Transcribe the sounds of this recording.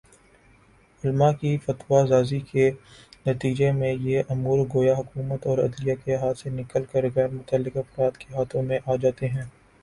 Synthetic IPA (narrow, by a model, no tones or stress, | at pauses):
ʊlmakifɐt̪wazaːzikenɐt̪iːd͡ʒemẽjeʔɐmuːɾɡoːjaɦʊkuːmət̪ɔːɾɐ̰d̪lijakeɦaːt̪senɪkəlkəɾɣɛːɾmʊt̪əlːɪkɐfɾaːd̪keɦaːt̪ʰõmẽʔaːd͡ʒaːt̪eɦɛ̃ː